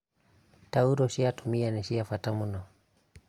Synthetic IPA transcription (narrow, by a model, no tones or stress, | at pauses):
tauɾɔʃiatumianɛʃiafatamunɔ